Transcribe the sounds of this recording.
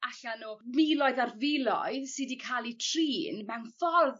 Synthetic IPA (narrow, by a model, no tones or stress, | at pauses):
aɬanuːmilˠɔɨðarvɪlˠɔ̰ɨðsɨdikʰaːlˠitʰr̥iːnmɛwnfɔrð